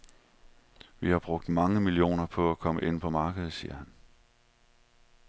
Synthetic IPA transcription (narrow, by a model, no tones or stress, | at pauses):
ʋihɑ̈b̥ʁɔ̽ɡ̥̚d̥mɑ̈ŋəmilio̝̰ːnɐpʰɒ̽ækʰɒ̽məʔe̝n̰pʰɒ̽mɑ̈ːɡ̥əð̩ˠsḭːɐ̰hæn